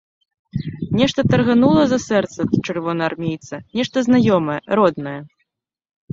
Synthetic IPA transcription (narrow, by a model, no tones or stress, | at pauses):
nʲɛʂt̪ɐt̪ɐrɣanulˠɐzɐsɛrt̪sɐt͡ʂɨrvɔnɐarmʲejt̪sɐnʲɛʂt̪ɐznajɔmɐjɛɾɔd̪nɐjɛ